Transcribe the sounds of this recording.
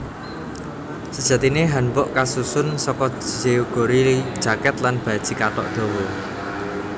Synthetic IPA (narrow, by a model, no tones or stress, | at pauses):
səd̥ʒ̥ä̤t̪ineɦanpɔʔkasusʊnsɔkɔeuɡ̥o̤ɾid̥ʒ̥a̤kɛt̪lanb̥a̤d̥ʒ̥i̤kaʈɔ̰ʔd̪̥o̤wɔ